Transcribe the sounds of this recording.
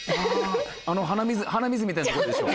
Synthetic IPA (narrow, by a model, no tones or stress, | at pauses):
a | anoɦanamʲizɨhanamʲizɨmʲit̪ajnat̪ooɾod̪eɕo̰ː